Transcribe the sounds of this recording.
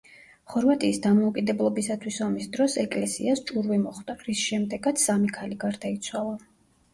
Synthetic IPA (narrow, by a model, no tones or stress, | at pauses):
χɔɾvat̪ʼiːsd̪amɔukʼid̪ɛblˠɔbisat̪ʰwisamisd̪ɾɔsɛkʼlɛsḭast͡ʃʼuɾvimɔχd̪aɾisʃɛmd̪ɛɡat̪sʰsːamikʰaliɡaɾd̪ait̪sʰwalˠa